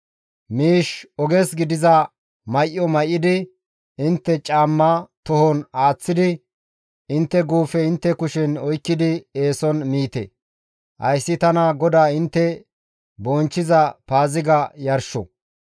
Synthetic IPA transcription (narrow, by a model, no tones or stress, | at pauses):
miːʃɔɡɛsɡɪd̪ɪzɐ | mɐjʔːɔmɐjʔɪd̪ɪ | ɪnt̪ːɛt͡ʃʼaːmːat̪ɔhɔnaːt͡sːɪd̪ɪ | ɪnt̪ːɛɡuːfɛɪnt̪ːɛkʊʃɛnɔjkːɪd̪ɪe̞ːsɔnmiːt̪ɛ̰ | hɐ̰jsːɪt̪ɐnɐɡɔd̪aːɪnt̪ːɛ | bɔnt͡ʃːɪzɐpaːzɪɡɐjɐɾʃɔ̰